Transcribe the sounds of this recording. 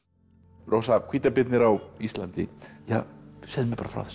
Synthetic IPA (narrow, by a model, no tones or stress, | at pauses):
ɾowsakʰviːt̪apɪt̪nɪɾawist̪lant̪ɪ̰ja̰sɛðmɛpaːɾafɾa̰wθɛ̥s